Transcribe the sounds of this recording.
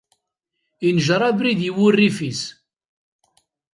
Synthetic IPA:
inʒɾˤɑbɾiðjiwʊrːifis

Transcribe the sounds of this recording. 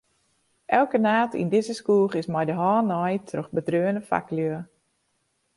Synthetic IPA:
ʔɛlˠkənaːtʰḭndɪzəskuːχɪsmɛjdəɦɔːnɔjtʰroxbədrøːənəfa̰kløə

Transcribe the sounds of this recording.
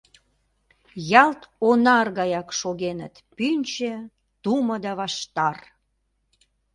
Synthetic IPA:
jɑlt̪onɑrɣɑjɑkʃoɣenət̪pynʲt͡ɕĕ | t̪uməd̪ɑβɑʃt̪ɑr

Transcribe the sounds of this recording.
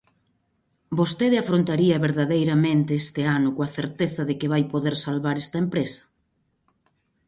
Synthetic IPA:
bost̪eðɪafɾont̪aɾiɐβeɾðaðejɾɐmẽnt̪eest̪eanʊkoɐθeɾt̪eθɐðekɪβ̞ajpoðeɾsalβaɾest̪ɐempɾesɐ̥

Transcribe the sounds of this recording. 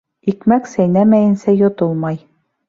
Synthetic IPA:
ikmæksæjnæmæjɘ̆nsæjŏt̪olˠmɑj

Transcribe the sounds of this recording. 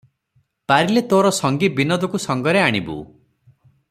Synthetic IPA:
paɾilet̪oɾɔsɔŋɡibinɔd̪ɔkusɔŋɡɔɾeaɽ̃ibṵ

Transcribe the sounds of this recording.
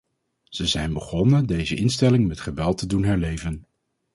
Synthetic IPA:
z̥əzɛjnbəχɔnədejzəʔɪnstɛlɪŋmɛtχəʋɛlˠtədunɦɛɹlejvən

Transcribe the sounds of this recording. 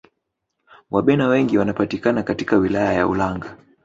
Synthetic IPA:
waɓɛnawɛŋɡiwanapatikanakatikawilajaja̰ṵlaŋɡa

